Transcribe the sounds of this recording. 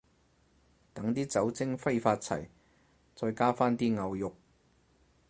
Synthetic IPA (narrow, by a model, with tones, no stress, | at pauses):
t̪ɐ˨˥ŋt̪iː˥t͡sɐ˨˥wt͡sɪ˥ŋfɐ˥jfaː˧t̚t͡sʰɐ̰˨˩j | t͡sɔː˧jkaː˥faː˥nt̪iː˥ŋɐ˨˧wjʊ˨k̚